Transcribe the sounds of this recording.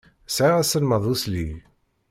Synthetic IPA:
sʕiʁæsəlməðˤusli

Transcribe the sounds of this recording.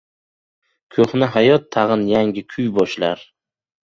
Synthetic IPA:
kʲʰɵχnɪɦajɒt̪ʰːɑʁɨnjaŋʲɪkʲʰʊjbɒʃlaɾ

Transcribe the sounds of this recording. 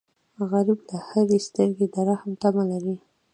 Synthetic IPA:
ɣaɾibd̪əhaɾest̪əɾɡed̪aɾahamt̪amalaɾi

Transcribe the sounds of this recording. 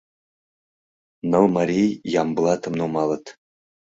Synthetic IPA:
nɤlˠmaɾʲijjɑmbəlˠɑt̪ʰəmnumɑlˠət̪

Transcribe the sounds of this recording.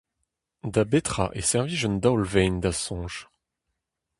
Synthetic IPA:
d̪abet̪χa̰ʔɛ̰sɛʁviʒɔnd̪awlvɛnd̪asɔ̃ʒ

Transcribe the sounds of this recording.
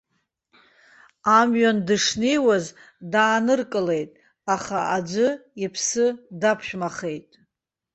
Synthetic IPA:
amɥandɨʂnijwaz | daːnɨrkʼɨle̞jtʼ | aχaʔad͡ʒʷʊipʰsɨdapʰʃᶣmaχe̞jtʼ

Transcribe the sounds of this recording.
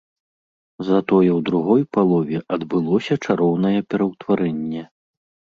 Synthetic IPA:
zɐt̪ɔjɛwd̪ɾuɣɔjpalˠɔvʲɛʔɐd̪bɨlˠɔsʲɐt͡ʂaɾɔwnɐjɛpʲɛɾɐwt̪vaɾɛnʲːɛ

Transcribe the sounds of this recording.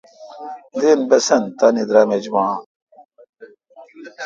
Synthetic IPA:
d̪enbɐsɐnt̪anid̪ɾɐmed͡ʑmãː

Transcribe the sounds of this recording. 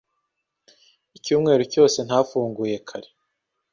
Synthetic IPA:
icuːmŋe̞ːɾuco̞ːse̞n̥hafuːŋɡuːje̞kʰaɾe̥

